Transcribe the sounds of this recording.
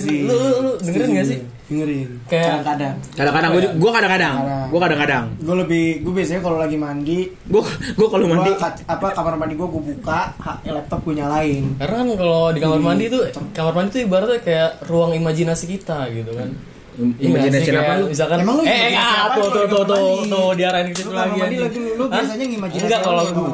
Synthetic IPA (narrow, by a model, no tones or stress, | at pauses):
silululudəŋəɾɪnɡas̬ɪ | dəŋəɾɪnkajaaaŋkadaŋkadaŋkadaŋɡaɡuakadaŋkadaŋdaɡuakadaŋkadaŋɡualəbɪhɡuabias̬aɲakalolaɡimanɡi | ɡuaɡuakalomandikaapakamarmandiɡuaɡuabukahaelɛk̚t̪ɔp̚kuɲalaɪnkaɾnakankalodikamarmandit̪ukamarmandit̪uibaɾt̪kajaruaŋimad͡ʒinasikit̪aɡit̪ukan | imad͡ʒinasiikaajaalobis̬alkanmalɛŋaot̪oot̪ot̪odiaɾaɪnkit̪asaɡiadilaɡiuloasaɲaŋimad͡ʒiŋɡaʔkaloɡ